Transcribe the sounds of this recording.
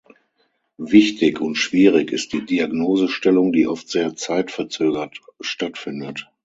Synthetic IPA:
vɪçtɪçʊntʃv̥iːʁɪçɪst̚d̥iːdiaɡnoːzəʃtɛlʊŋdiːʔɔftz̥eːɐt͡saɪtfɛɐt͡søːɡɐtʃtatfɪndət

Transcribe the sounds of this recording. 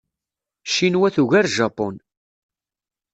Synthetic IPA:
ʃinwæθuʝæɾʒɑpɔn

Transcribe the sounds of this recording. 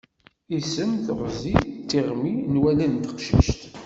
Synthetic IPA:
isəmθəʁzit̪ːiʁminwælænt̪ə̥qʃḭʃt̪

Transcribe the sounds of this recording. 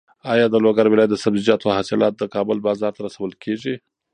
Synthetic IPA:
ɑjɑd̪əloɡaɾwɪlɑjat̪̚d̪əsabzid͡ʒɑt̪ohasɪlɑt̪̚d̪əkɑbəlbɑzɑɾt̪aɾasawəlkʰeʒi

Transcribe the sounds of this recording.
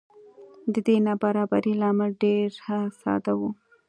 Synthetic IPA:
d̪əd̪enabaɾɑbaɾilɑmalɖeɾhasɑ̰d̪awu

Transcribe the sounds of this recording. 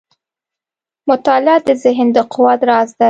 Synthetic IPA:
mʊt̪ɑlɪɑd̪əzɪɦɪnd̪əqʰʊwɑd̪ɾɑzd̪a

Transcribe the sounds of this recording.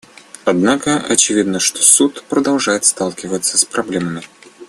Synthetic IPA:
ɐd̪nakəɐ̰t͡ɕɪvʲid̪nəʂt̪osut̪pɾəd̪ɐlˠʐajɪt̪st̪alˠkʲɪvət̪sːəspɾɐblʲeməmʲɪ

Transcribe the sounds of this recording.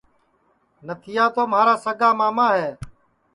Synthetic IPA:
nət̪ʰɪjaːt̪oːmaːɾaːsəɡaːmaːmaːɦɛː

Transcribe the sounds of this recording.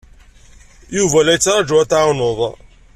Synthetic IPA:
juvælæjət͡sːɾˤɑd͡ʒuæt̪ʕunoðˤ

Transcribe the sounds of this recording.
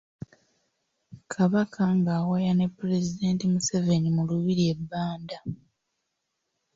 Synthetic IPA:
kʰaβakʰaŋɡaːwajane̞pːuɾe̞zide̞ːntimuseve̞nimuluβiɾie̞bːaːnda

